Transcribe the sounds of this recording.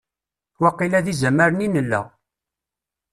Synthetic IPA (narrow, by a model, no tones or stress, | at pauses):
wæqːilæðizæməɾəninəlːæ̰